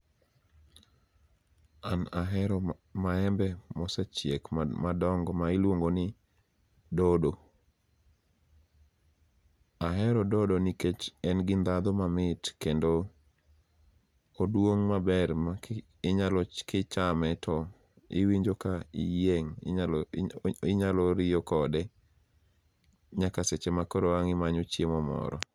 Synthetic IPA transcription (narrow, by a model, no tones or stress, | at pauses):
anaɦɛɾɔmaɛmbɛmɔsɛt͡ʃjekmadɔŋɡɔmaɪlwoŋɡonɪ | dodo | aɦɛɾɔdɔdoniket͡ʃɛnɡɪnd̪ad̪ɔmamɪtkendo | odwoŋmabɛrma | ɪɲalɔkɪt͡ʃamɛtʰɔ | ɪ̰wiɲd͡ʒokaijeŋ | ɪɲalɔɾɪjɔkɔdɛ | ɲakaset͡ʃɛmakɔɾoaŋɪmaɲot͡ʃjemɔmɔ̰ɾɔ̰